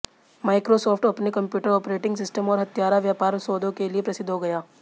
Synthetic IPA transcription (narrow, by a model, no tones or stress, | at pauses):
maːɪkɾosɔːfʈɐpnikɐ̃mpjuːʈəɾɔːpɾeːʈɪ̃ŋɡsɪsʈəmɔːɾɦɐt̪jaːɾaʋjaːpaːɾsoːd̪ʱõkeliepɾɐsɪd̪ʱɦoɡɐjaː